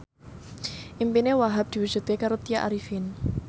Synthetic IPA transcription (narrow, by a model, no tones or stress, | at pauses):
ʔimpinewaɦap̚d̪̥i̤wu̥ʒ̥ṳt̪̚kekaɾot̪ijaʔa̰ɾifɪn